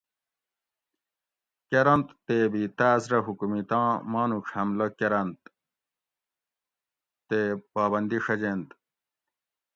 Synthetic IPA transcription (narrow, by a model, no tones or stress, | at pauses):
keɾɐnt̪ːeːbit̪aːzɾɐɦukumit̪ãːmãːnuʂhɐmlɐkeɾɐnt̪ | t̪ːeːpaːbɐnd̪iʂɐd͡ʑent̪